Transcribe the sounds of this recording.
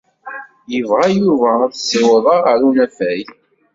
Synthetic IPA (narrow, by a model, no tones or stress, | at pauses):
jəvʁajuvæθsːewəðˤəʁəɾunæfæj